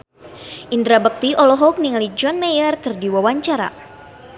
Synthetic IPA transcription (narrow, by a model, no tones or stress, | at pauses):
ʔindɾabək̚t̪iɔlɔɦɔk̚niŋlid͡ʒɔnmɛjərkərdiwawaɲt͡ʃaɾa̰